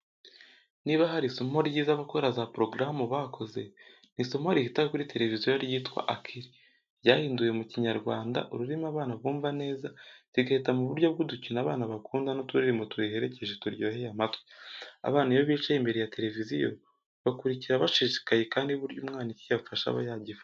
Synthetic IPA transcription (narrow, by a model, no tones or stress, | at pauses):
niβaɦaɾisomhoɾɟiːzaβakoɾazapɾo̞ɡɾamuβakʰo̞ze̞ | nisomoɾihitakakuɾite̞ɾe̞vizijojaɾjiːtwa̰ʔakʰiɾi | ɟaːhiːnduje̞muciɲaɾɡwaːnda̰ʔuɾuɾimaβaːnaβɡuːɱvane̞ːzatiɡahetamuβuɾɟo̞β̚ɡuducinaβaːnaβakuːndanotuɾiɾimotuehe̞ɾe̞ce̞ʒetuɾɟoːhejamatwe̥a̰βaːnaiβoβiːt͡ʃaimbe̞ɾejate̞ɾe̞vizijo | βakuɾiciɾaβaʃiʃi̥kaje̞kaːndiuβuɾɟuːmŋaːnicijaβufaʃa̰βa̰jaɟifḁ